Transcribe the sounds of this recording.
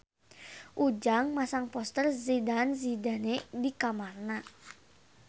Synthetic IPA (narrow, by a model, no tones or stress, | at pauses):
ʔud͡ʒaŋmasaŋpɔst̪ərzidanzida̤nedikamarna